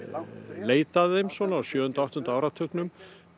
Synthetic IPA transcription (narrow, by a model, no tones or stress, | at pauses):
leːjt̪aððejmsɔnaːsjœːʏnt̪aawht̪hʏnt̪aaːwɾat̪ʰʏknʏm